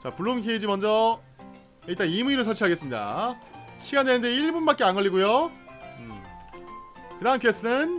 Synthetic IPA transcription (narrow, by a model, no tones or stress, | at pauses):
t͡ɕapuɭːomkʰeid͡ʑimʌnd͡ʑʌ | iɭt͈animuiɾosʰʌɭt͡ɕʰiaɡe̞s͈ɯmɲida̰ | ɕʰiɡanenɯnde̞iɭbunbak͈e̞anŋɡʌʎːiɡojoɯ | kɯdaŋɦanpʰies͈ʰɯnɯn